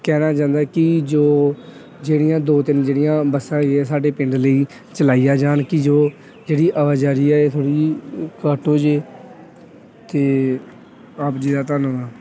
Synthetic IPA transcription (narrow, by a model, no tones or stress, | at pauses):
kɛːnaːt͡ʃãːnd̪aːkɪd͡ʒoː | d͡ʒeːɽɪjãːd̪oːt̪ɪnd͡ʒeːɽɪjãːbəsãːeɛːsaːɖeːpɪɳɖləiː | t͡ʃəlaːiːjaːd͡ʒaːɳkɪd͡ʒoː | d͡ʒeːɽiːʔəʋaːd͡ʒaːɾiːɛːeːt̪ʰoːɽiːkəːʈoːd͡ʒeː | t̪eː | aːpd͡ʒiːd̪aːt̪aːnʋaː